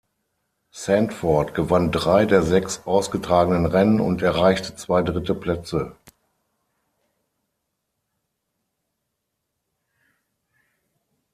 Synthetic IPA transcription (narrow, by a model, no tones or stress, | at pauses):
sɛntfɔɐtɡ̥əvandʁaɪdeːɐzɛksʔaʊsɡ̥ətʁ̥aːɡənənʁɛnənʊ̰ntɛɐʁaɪçtə̥t͡sv̥aɪdʁɪtəpl̥ɛt͡sə